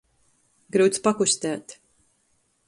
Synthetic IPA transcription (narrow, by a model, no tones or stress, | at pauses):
ɡɾɨwt̪spakusʲt̪æːt̪